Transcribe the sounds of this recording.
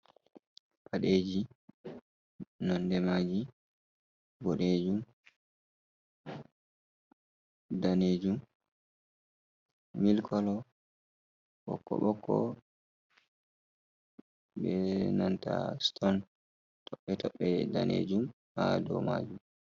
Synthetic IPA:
pʰaɗeːd͡ʒi | nɔndɛmad͡ʒi | bɔɗed͡ʒum | daneːd͡ʒum | milkʰɔlɔ | ɓɔ̰kːɔ̰ɓɔkʰːɔ | ɓɛnanta̰stɔn | tɔɓːɛtɔɓːɛda̰nʔḛːd͡ʒum | adɔma̰ːd͡ʒum

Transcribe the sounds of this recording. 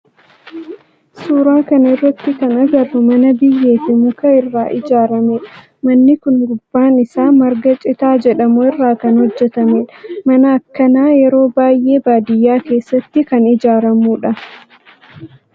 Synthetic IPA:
suːɾaːkɐnɪrːɐt̪ːɪkɐnɐɡɐrːʊmɐnɐbɪjːe̞ːfɪmʊkɐɪrːaːʔɪd͡ʒaːɾɐmeːᶑɐ | mɐnːɪkʊnɡʊbːaːnɪsaːmɐɾɡɐt͡ʃʼɪt̪aːd͡ʒɛᶑɐmʊɪrːaːkɐnhɔd͡ʒːɛt̪ɐmeːᶑɐ̥mɐnɐːkːɐnaːjɛɾo̞ːbaːjʔe̞ːbaːd̪ɪjːaːke̞ːsːɐt̪ːɪkɐnɪd͡ʒaːɾɐmuːᶑɐ

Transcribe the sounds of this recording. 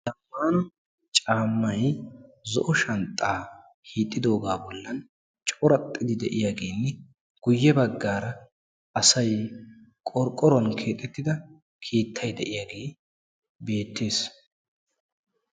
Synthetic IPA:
d̪̥ɐmːaːnɐ | t͡ʃʼaːmːɐjzɔ̰ʔɔʃɐnt̪ʼːaː | hiːt̪ʼːɪd̪o̞ːɡaːbɔlːɐn | t͡ʃʼɔɾɐt̪ʼːɪd̪ɪd̪ɛʔɪjaɡeːnːɛ | ɡ̥ʊjːɛbɐɡːaːɾɐ | ɐsɐj | kʼɔɾkʼːɔɾɔnkʰe̞ːt̪ʼɛt̪ːɪd̪ɐ | kʰiːt̪ʰːɐjd̪ɛʔɪjaːɡe̞ː | be̞ːt̪ːe̞ːs

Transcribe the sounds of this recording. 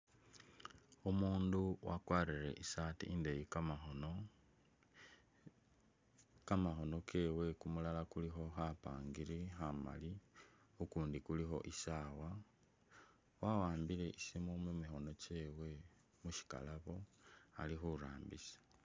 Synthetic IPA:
umuːnduwʔa̰kwaːɾiɾe̞ʔisaːtiindejikn | kamaxo̞no̞kʰe̞ːwe̞kumulalakulixo̞xapa̰ːŋɡiɾixama̰li | ukuːndikulixo̞̰ʔisaːwa | wawaːmbile̞ʔisimomumixo̞no̞ceːwe̞ | muʃi̥ka̰laβo̞a̰lixuɾaːmbḭsḁ

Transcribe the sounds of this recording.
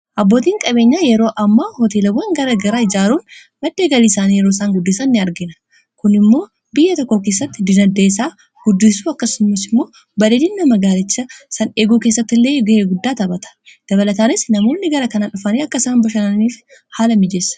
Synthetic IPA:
ʔɐbːo̞ːt̪̬iːŋkʼɐbe̞ːɲːaːjɛɾo̞ːʔɐmːaːhɔt̪eːlɐwɐŋɡɐɾɐɡɐɾaɪd͡ʒaːɾuːn | mɐd̪ːeːɡɐliːsaːnjɛɾoːsaːŋɡʊd̪ːɪsɐnːɪɐɾɡɪnɐ̥ | kʊnɪmːo̞ː | bɪjːɐt̪ɔkːo̞ːkeːs̬ːɐt̪ːɪd̪ɪnɐd̪ːeːs̬aː | ɡ̥ʊd̪ːɪsuːɐkːɐsʊmːɪsɪmːo̞ː | bɐᶑed̪ɪnːɐmɐɡaːlɪt͡ʃːɐsɐneːɡuːkeːsːɐt̪ːɪlːeːɡɪheːɡʊd̪ːaːt̪ɐbɐt̪ɐ̥d̪̥ɐβɐlɐt̪aːnɪsnɐmo̞ːnːɪɡɐɾɐkɐnaᶑʊfɐneːɐkːɐsaːnbɐʃɐnɐniːf | haːlɐmɪd͡ʒesɐ̥

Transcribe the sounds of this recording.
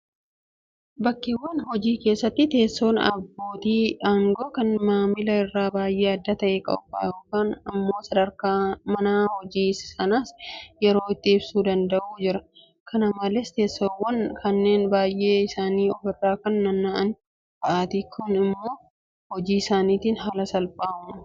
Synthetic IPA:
bɐkːewːɐnhɔd͡ʒiːke̞ːsːɐt̪ːɪt̪e̞ːsːo̞ːnɐ̰bːo̞ːt̪iːaːŋɡo̞ːkɐnmaːmɪlɐɪrːaːbaːjʔe̞ːɐd̪ːɐt̪ɐʔeːkʼɐ̰ʊba̰ːʊkaːnɐmːo̞ːsɐd̪ɐɾkaːmɐnaːhɔd͡ʒiːsɪsɐnasjɛɾo̞ːɪt̪ːɪɪbsuːd̪ɐnd̪ɐʔuːd͡ʒɪɾɐ | kʰɐnɐmɐlɛst̪e̞ːsːoːwːɐnkʰɐnːe̞ːnbaːjʔe̞ːɪsaːniːɔfɪrːaːkɐnːɐnːaʔɐn | bɐʔaːt̪ikʰʊnɪmːo̞ː | hɔd͡ʒiːɪsaːniːt̪iːnɦɐlɐsɐlpʼaːʔʊmɐ

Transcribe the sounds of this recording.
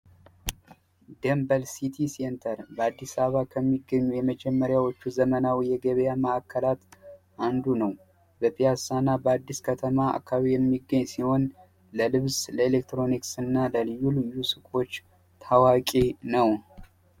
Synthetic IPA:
d̪embəlsit̪ʰisent̪ʰəɾbəad̪ːisaβakʰəmːiɡːəɲːujɛməd͡ʒɛmːəɾjawo̞t͡ʃːuzəmənawjɛɡəβəjaməʔakːəlat̪ | ʔand̪unəw | bəpʰʼijasanːabəad̪ːiskʰət̪ʰəmaa̰kʰːaβijɛmːiɡːəɲːsiho̞n | ləlɨβzləelekt̪ɾo̞niksɨnːaləlɨjːulɨjusɨkʼo̞t͡ʃː | t̪ʰawakʼenəw

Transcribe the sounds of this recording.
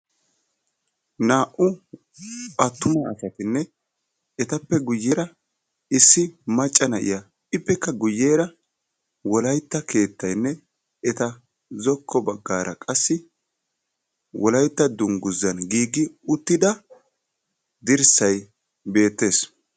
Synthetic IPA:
naːʔʊ | ʔɐt̪ːʊmɐɐ̰sɐt̪ɪnːɛ | ɛt̪ɐpːɛɡʊjːeːɾɐ | ɪsːɪmɐt͡ʃʼːɐnɐʔɪ̰jɐ | ɪpːɛkːɐɡʊjːeːɾɐ | wɔlɐjt̪ːɐke̞ːt̪ːɐjnːɛ | ɛt̪ɐ | zɔkʰːɔbɐɡːaːɾʔɐ̰kʼɐsːɪ | wɔlɐjt̪ːɐd̪ʊŋɡʊzːɐnɡiːɡɪʊt̪ːɪd̪ɐ | d̪ɪɾsɐj | be̞ːt̪ːe̞ːs

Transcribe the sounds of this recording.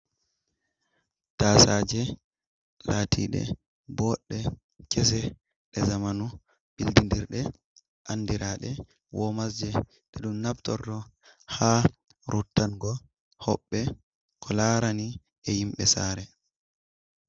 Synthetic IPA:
taːsad͡ʒɛ | laːtʰḭːɗɛ̰ | bɔɗːɛ | kɛs̬ɛ | ɗɛzamanu | b̥ildindiɾɗɛ | ʔanːdiɾaɗɛ | wɔmasd͡ʒɛ | ɗɛɗumnabtɔ̰ɾɗɔ | ha | ɾʔutːanɡɔ | hɔɓːɛ | kʰɔlaːɾani | ɛhimɓɛsaɾɛ

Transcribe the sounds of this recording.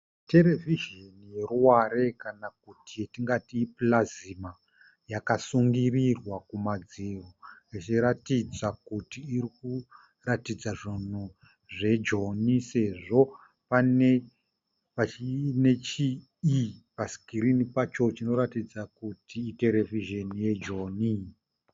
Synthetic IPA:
te̞ɾe̞viʒenije̞ruwaɾe̞kanak̚utietiŋɡatiːplazima | jakasuŋɡirirwakumad͡ziroit͡ʃiɾatid͡zakutiːɾiku | ratid͡zaʐin̤u | ʐe̞d͡ʒo̞nise̞ʐo̞ | pane | paine̞t͡ʃi | ipasi̥kiɾinipat͡ʃo̞t͡ʃino̞ɾatid͡zakutiːte̞ɾe̞viʒe̞nije̞d͡ʒo̞ːni

